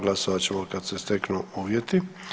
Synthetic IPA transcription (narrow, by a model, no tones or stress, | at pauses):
ɡlasoʋat͡ɕemokad̪sest̪eknuuːʋjet̪i